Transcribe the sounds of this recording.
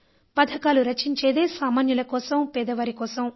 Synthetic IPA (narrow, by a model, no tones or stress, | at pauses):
pɐd̪ʱɐkaːluɾɐt͡ʃiɲt͡ʃeːd̪eːsaːmaːnjulɐkɔːsɐmpɛːd̪ɐʋɐɾikɔːsɐm